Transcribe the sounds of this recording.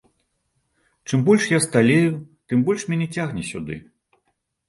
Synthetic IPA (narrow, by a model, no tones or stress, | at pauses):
t͡ʂɨmbɔlʲʂjast̪alʲejut̪ɨmbɔlʲʂmʲanʲɛt͡sʲaɣnʲɛsʲṵd̪ɨ̰